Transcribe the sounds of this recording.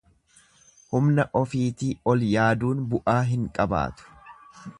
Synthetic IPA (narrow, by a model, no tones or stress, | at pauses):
hʊmnɐʔɔfiːt̪iɔljaːd̪uːnbʊʔaːɦɪŋkʼɐba̰ːt̪ʊ̥